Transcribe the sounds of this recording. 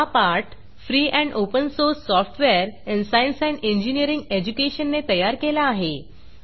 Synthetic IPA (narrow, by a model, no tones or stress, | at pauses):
apaɾʈ | fɾiːʔɛ̃ɳɖopənsoɾsːɔfʈʰʋeəɾɛ̃ɳsajnsajnẽɲd͡ʑinijəɾiŋɡed͡ʑukeɕənːet̪əjaɾkelaːɦe